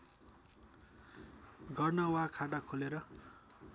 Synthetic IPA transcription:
ɡʌrnawakʰaʈakʰoleɾʌ

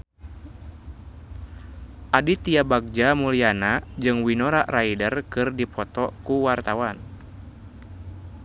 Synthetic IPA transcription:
ʔadit̪iabaɡ̚d͡ʒamulianad͡ʒɨŋwinɔɾaʔraidərkɨrdipɔt̪ɔkuwart̪awan

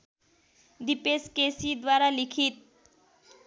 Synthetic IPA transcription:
d̪ipeskesid̪waɾalikʰit̪̚

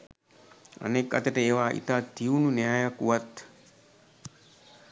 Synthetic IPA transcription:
ɐ̰nekːɐt̪ɐʈɐeːʋaːʔḭt̪aːt̪ːiununeɦajɐkuɐt̪ː

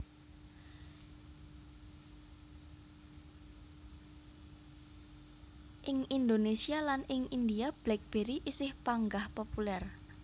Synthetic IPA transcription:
ʔɪŋind̪onesialanɪŋind̪iab̥lɛk̚b̥eɾiʔisɪhpaŋɡahpopulɛr

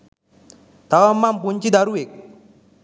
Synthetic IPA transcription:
t̪awamːampuɲt͡ʃid̪aɾuɪk̚

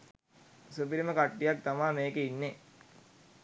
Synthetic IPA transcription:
supiɾiməkaʈːijak̚t̪amaːmeːkeinːe

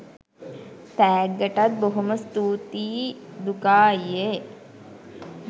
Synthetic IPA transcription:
t̪æːɡːəʈat̪̚boɦuməst̪uːt̪iːd̪ukaːije

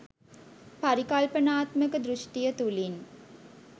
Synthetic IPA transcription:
paɾikalpənaːt̪məkəd̪ɾuʂʈijət̪ulin

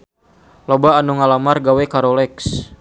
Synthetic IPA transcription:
lɔbaːnuŋalamarɡawɛkaɾɔlɛks

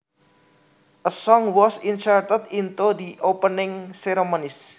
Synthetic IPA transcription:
ʔəsɔŋwɔsinsart̪əd̪int̪ud̪iʔopənɪŋseɾemonɪs

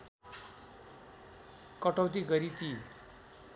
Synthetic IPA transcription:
kʌʈʌwt̪̬iɡʌɾit̪i

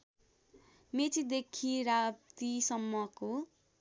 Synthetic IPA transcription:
met͡sid̪ekʰiɾabt̪isʌmːʌko

